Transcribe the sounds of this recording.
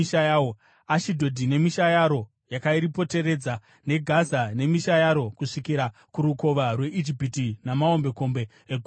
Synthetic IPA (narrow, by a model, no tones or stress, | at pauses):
iʃajawo | aʃidʱo̞dʱine̞miʃajaɾo̞ | jakaiɾipo̞te̞ɾe̞d͡za | ne̞ɡʱazane̞miʃajaɾo̞kuʂikiɾakuɾuko̞ʋarwe̞ʔid͡ʒipitinamao̞mbe̞ko̞mbe̞ːɡʱ